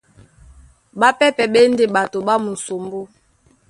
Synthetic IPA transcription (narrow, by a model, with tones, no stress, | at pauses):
ɓa˦pɛ˦pɛ˨ɓe˦n˦de˨ɓa˨to˨ɓa˦mu˨so˨mbo˦